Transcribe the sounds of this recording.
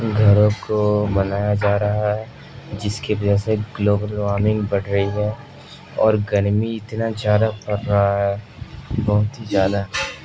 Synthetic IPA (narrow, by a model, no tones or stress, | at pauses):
ɡʱɐɾõkomɐnaːjad͡ʒaːɾɐɦaɦɛ | d͡ʒɪskeʋɐd͡ʒɛseɡloːbəlʋaːɾmɪ̃ŋɡbɐɽɾɐɦiɦɛː | ɔːɾɡɐɾmiɪt̪nazjaːd̪apɐɾɐɦaɦɛː | bɔɦʊt̪ɦizjaːd̪aɦ